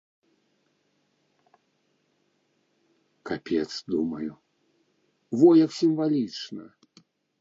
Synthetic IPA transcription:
kapʲɛt̪sd̪umɐju | vɔjɐksʲimvalʲit͡ʂnɐ̰

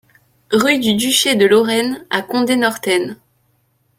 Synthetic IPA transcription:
ʁyd̪yd̪yʃed̪əlɔʁɛnakɔ̃d̪enɔʁt̪ɛn

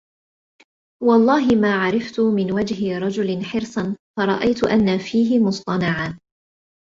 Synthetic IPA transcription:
wɑlˤːɑːɦɪmaːʕɑɾˤɑft̪ʊmɪnwad͡ʒɦɪɾˤɑd͡ʒʊlɪnħɪɾsˤɑnfɑɾˤɑ̰ʔajt̪ʊʔanːafiːɦɪmʊsˤt̪ˤɑnɑʕaː

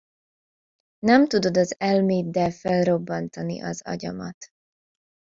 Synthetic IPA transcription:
nɛmt̪ud̪o̞d̪ɒzɛlmeːd̪ːɛfɛlro̞bːɒnt̪ɒnḭʔɒzɒ̰ɟɒ̰mɒt̪

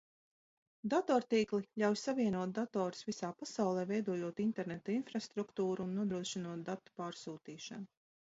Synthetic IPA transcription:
d̪at̪ɔːɾt̪iːklˠiʎʲawjsaviɛnuɔt̪̚d̪at̪ɔːɾu̥svisaːpasawlˠɛːvɛjd̪uɔjuɔt̪int̪ɛɾnet̪ɔinfɾast̪ɾukt̪uːɾuːnːuɔd̪ɾuɔʃinuɔt̪̚d̪at̪ːu̥paːɾsuːt̪iːʃa̰nu

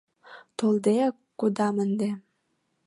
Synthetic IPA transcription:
t̪old̪ekːod̪ɑmənd̪e

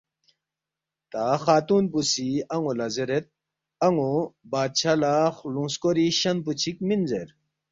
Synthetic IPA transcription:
t̪axaːt̪unpusiɐŋulɐzeɾet̪̚ | ɐŋubaːd̪̚t͡ɕʰalaxluŋskoɾiɕɐnput͡ɕʰik̚minzeɾ

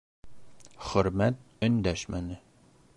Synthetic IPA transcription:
χɵɾmæt̪̚ | ɵnd̪æʃmænɪ

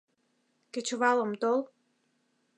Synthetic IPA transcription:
kĕt͡ɕβɑlə̆mt̪ol

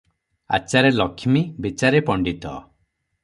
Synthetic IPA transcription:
a̰t͡ʃaɾelɔkʰimibit͡ʃaɾepɔɳɖit̪ɔ̰

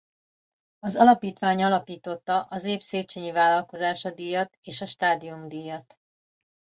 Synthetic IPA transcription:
ɒzɒlɒpiːt̪ʋaːɲɒlɒpiːt̪o̞t̪ːɒʔɒzeːpseːt͡ʃeːɲivaːlɒlko̞zaːʃɒd̪ijɒt̪eːʃɒʃt̪aːd̪ijumd̪iːjɒt̪

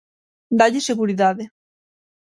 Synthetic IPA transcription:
d̪aʎiseɣuɾiðaðe

